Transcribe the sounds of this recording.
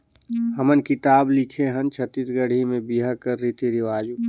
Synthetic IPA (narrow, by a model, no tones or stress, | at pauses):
həmənkit̪aːblikʰeɦənt͡ʃʰət̪it̪ɡəɽ̤imẽbiɦakəɾːit̪iɾiʋaːd͡ʒu